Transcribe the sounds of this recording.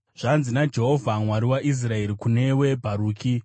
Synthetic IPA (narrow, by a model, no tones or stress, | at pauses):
ʐ̥anzinad͡ʒe̞ɦo̞vʱamwaɾiwaʔis̬rae̞ɾikune̞we̞bʱaɾuːkʰi